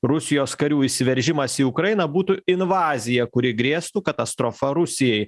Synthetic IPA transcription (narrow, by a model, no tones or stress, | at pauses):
ɾʊsʲɪjoːskɐɾʲuːisʲɪʋʲɛɾʲʒʲɪmɐsiːʊkɾɐjɪnɐbuːt̪uɪnʋɑːzʲɪjɛkʊɾʲɪɡɾʲeːst̪uːkɐt̪ɐst̪ɾofɐɾʊsʲɪjɛɪ